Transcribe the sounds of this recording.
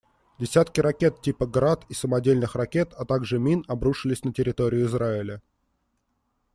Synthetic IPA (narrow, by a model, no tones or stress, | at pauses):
dʲɪsʲæt̪kʲɪɾɐkʲe̞t̪̚tʲipəɡɾat̪isəmɐdʲelʲnɨxrɐkʲe̞t̪ɐt̪aɡʐɨmʲinɐbɾuʂɨlʲɪsʲnətʲɪɾʲɪt̪o̞ɾʲɪjʊɪzraɪlʲə